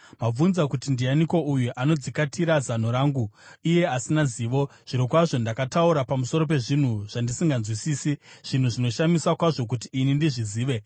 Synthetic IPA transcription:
mab͡vunzakutindijaniko̞ʔujuʔano̞d͡zikatiɾazan̤oɾaːŋɡuije̞asinaziːʋo̞ʐ̥iɾokwaʐo̞ndakatauɾapamuso̞ɾo̞p̬e̞ʐin̤uʐ̥andisiŋɡanzwisiːsiʐ̥in̤uʐino̞ʃamiswakwaʐo̞k̬utiːnindiʐiziːʋe̞

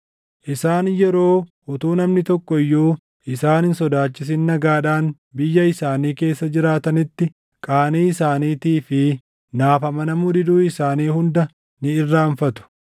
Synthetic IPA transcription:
ʔɪsaːnjɛɾo̞ːʔʊt̪uːnɐmnɪt̪ɔkːɔjːuː | ɪsaːnhɪnsɔd̪aːt͡ʃːɪs̬ɪnːɐɡaːᶑaːn | bɪjːɐɪsaːniːke̞ːsːɐd͡ʒɪɾaːt̪ɐnɪt̪ːɪ | kʼaːniːɪsaːniːt̪iːfɪ | naːfɐmɐnɐmʊd̪ɪd̪uːɪsaːniːhʊnd̪ɐ | nɪɪrːaːɱfɐt̪ʊ̥

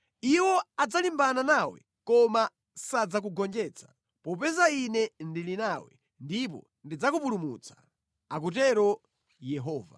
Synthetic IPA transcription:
iwɔad͡zalimbananawɛ̰ | kɔma | sad͡zak̬uɡɔnd͡ʒɛːt͡sʰḁ | pɔpɛzainɛndilinawɛ̰ | ndip̬ɔ̰ | ndid͡zakupulumṵt͡sḁ | ak̬utɛɾɔ | jɛɦɔːva̰

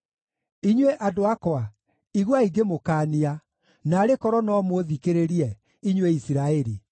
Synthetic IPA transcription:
iɲweʔadoakɔa | iɣwaiɡemokaːnia | naːɾekɔɾɔnɔmwoðikeɾeɾiɛ | iɲweisiɾaɛɾi

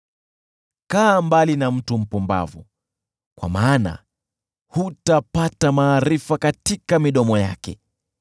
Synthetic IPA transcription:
kaːmbalinam̩tum̩pumba̰vṵ | kwa̰maːna̰ | hutapatamaːɾifakatikamiɗɔmɔja̰kɛ̰

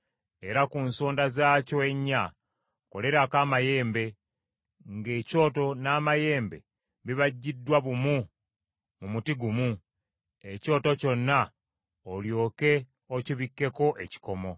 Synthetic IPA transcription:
e̞ɾakunsoːndazaːcoeɲːa | ko̞̰le̞ɾakaːmaje̞ːmbe̞ | ŋɡe̞ːco̞ːto̞naːmaje̞ːmbe̞̰ | βiβaɟːidːwaβumu | mumutiɡumu | e̞co̞ːto̞co̞nːa | oljo̞ːke̞ | ociβikːe̞ko̞ʔe̞ci̥ko̞mo̞

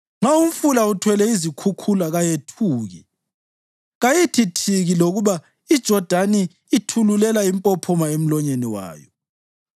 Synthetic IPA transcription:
ŋ͡ǁaum̩fulautʰwɛlɛizikʰukʰulaɣajetʰuːɣḭ | ɣajitʰitʰiɣiloɣuβa | id̥ʒ̥ʱɔd̥ʱaniː | tʰululɛlaimpʼɔpʰɔmaem̩lɔɲeniwa̰ːjɔ̰

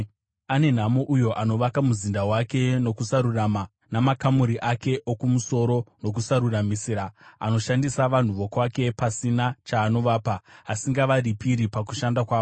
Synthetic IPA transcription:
ane̞n̤amo̞ʔujo̞ʔano̞ʋakamuzindawake̞no̞kusaɾurama | namakamuɾiʔake̞ʔokumuso̞ɾo̞no̞k̬usaɾuramisiːɾaa̰no̞ʃandisaʋan̤uʋo̞kwake̞pasinat͡ʃaːno̞ʋaːpaːsiŋɡaʋaɾipiɾipaku̥ʃandakwaːʋo

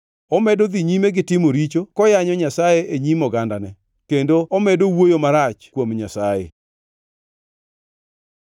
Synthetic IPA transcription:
ɔmɛdod̪iɲimeɡɪtɪmoɾit͡ʃokɔjaɲɔɲasajeʔeɲimɔɡandanɛ | kendoɔmɛdowojomaɾat͡ʃkwomɲasajḛ

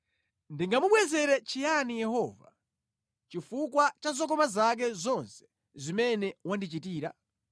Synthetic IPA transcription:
ndiŋɡamuɓwɛzɛɾɛt͡ʃijanijɛɦɔva̰ | t͡ʃifukwat͡ʃazɔkɔmazak̬ɛzɔnsɛ̥ | zimɛnɛwandit͡ʃitiːɾa̰

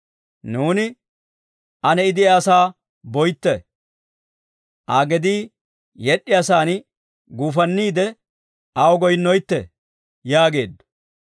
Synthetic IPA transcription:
nuːnɪ | ʔɐnɛɪd̪ɪasaː | bɔjt̪ːɛ | ʔaːɡɛd̪iː | jɛɗːɪjasaːn | ɡuːfɐnːiːd̪ɛ | ʔɐwɔɡɔjnːɔjt̪ːɛ̰ | jaːɡe̞ːd̪ːɔ̥

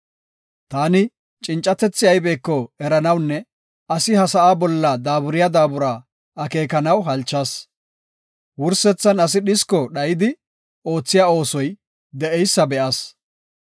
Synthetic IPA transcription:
t̪aːnɪ | t͡ʃʼɪnt͡ʃʼɐt̪ɛt͡sːɪjɐjbe̞ːkːɔɛɾɐnɐwnːɛ | ɐsɪhɐsɐʔaːbɔlːɐd̪aːbʊɾɪjad̪aːbʊɾaː | ɐke̞ːkɐnɐwɦɐlt͡ʃːɐs | wʊɾsɛt͡sːɐnɐs̬ɪɗɪskɔɗɐjɪd̪ɪ | o̞ːt͡sːɪjaːo̞ːsɔj | d̪ɛʔɛjsːɐbɛʔɐs

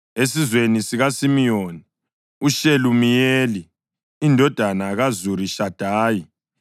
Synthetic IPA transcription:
esizwenisiɣasimijoni | uʃelumijeːliː | ndʱɔd̥ʱanaɣazuriʃad̥ʱaːji

